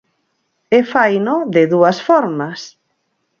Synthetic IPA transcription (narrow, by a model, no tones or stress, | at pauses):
efajnoðɪðuɐsfɔɾmas